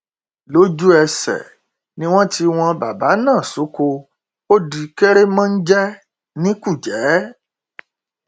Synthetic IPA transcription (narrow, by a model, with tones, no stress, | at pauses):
lo˦d͡ʒu˦ɛ˧sɛ̰˨ | nĩ˦w̃ɔ̃˦ti˧w̃ɔ̃˧ba˨ba˨˦nãː˦˨su˨˦ko˧ | o˦di˧ke˦ɾe˦mã˦n̩˦d͡ʒɛ˦ | nĩ˦ku˦˨d͡ʒɛ˨˦